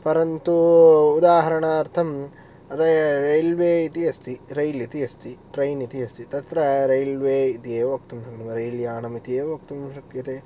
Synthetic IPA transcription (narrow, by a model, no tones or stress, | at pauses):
pɐɾɐnt̪uːd̪aːɦɐɾɐɳaɐɾt̪ʰɐm | ɾɐɾɐjlʋeːit̪iɐst̪iɾɐjlit̪iɐst̪iʈɾɐjnit̪iɐst̪it̪ɐt̪ɾɐɾɐjlʋeːit̪ijeːʋok̚t̪umʃɐknɐmɐɾɐjljaːnɐmit̪ijeːʋok̚t̪umʃɐkjɐt̪e